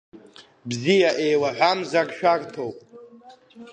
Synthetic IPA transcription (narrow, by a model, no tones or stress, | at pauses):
bzijaʔejwaħʷamzakʃᶣartʰowpʼ